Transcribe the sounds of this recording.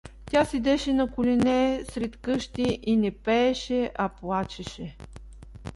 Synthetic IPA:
tʲasɛd̪ɛʃɛnɐkʊlʲinɛsɾɛt̪kɤʃt̪iʔinɛpɛːʃɛʔɐplˠat͡ʃɛʃɛ

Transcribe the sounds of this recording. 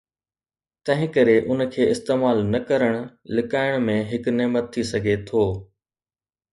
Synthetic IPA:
t̪ɐ̃ɦɪ̃kɐɾeʔʊn̆kʰeːɪst̪eːmaːlnɐkɐɾəɽ̃ʊlɪkaːɪɽ̃mẽɦɪknemət̪̚ʰːisɐɡʱet̪ʰoː

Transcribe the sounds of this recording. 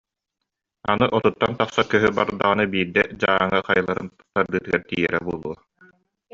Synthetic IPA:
anɯʔɔt̪ut̪ːant̪aχsakœɦybaɾd̪aʁɯnɯbiːɾd̪ɛd͡ʑaːaŋaqajɯlˠaɾɯ̰n | t̪aɾd̪ɯːt̪ɯɡæɾt̪iːjɛɾɛbuɔlˠuɐ

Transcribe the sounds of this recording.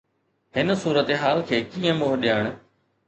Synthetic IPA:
ɦɪnsuːɾət̪eɦaːlkʰeːkĩːə̃moːɾɗijaːɽ̃

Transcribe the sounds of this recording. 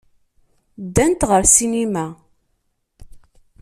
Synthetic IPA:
d̪ːænt̪ʁəɾsinimæ

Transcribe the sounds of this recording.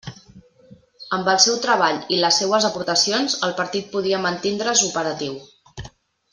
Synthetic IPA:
əmbəlˠsɛwt̪ɾəβaʎiləsːewəzəpuɾt̪əsionzəlˠpəɾt̪it̪̚puð̞iəmənt̪ind̪ɾəzupəɾət̪iw

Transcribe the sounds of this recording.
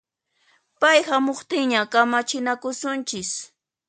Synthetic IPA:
pajhamoχt̪ɪŋɲakamat͡ʃɪnakʊsʊnt͡ʃɪs

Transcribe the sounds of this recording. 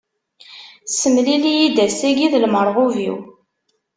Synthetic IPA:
səmlilijid̪æsæɡiðlməɾˤʁʊvḭw

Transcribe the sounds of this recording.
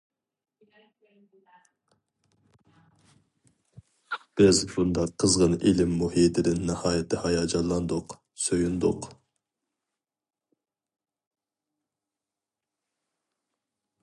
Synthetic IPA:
b̥ɪzbund̪ɑqʰːəzʁənilɪmːuhiːt̪ʰɪd̪ɪnːɨhɑːjɪt̪ʰɪhɑjɑːd͡ʒɑnlˠɑnd̪ʊq | søjund̪ʊq

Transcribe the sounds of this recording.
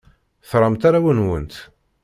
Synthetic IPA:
θɾˤɑmt̪aɾawənwə̰nt̪

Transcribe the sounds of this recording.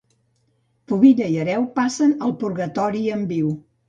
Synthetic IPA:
puβiʎəiəɾɛwpasənəlˠpuɾɣət̪ɔɾiəmbiw

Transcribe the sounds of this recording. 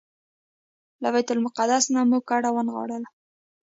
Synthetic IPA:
labajt̪ʊlmʊqad̪asnamuɡ̚kaɽawənɣɑ̰ɽəl

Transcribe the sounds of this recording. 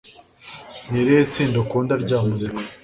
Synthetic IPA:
niɾeit͡siːndokuːndaɾɟaːmuzikḁ

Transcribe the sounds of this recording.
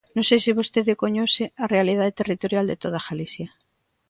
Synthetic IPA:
nõsesiβost̪eðekoɲosearealið̞aðet̪erit̪oɾjald̪et̪oð̞axalisja

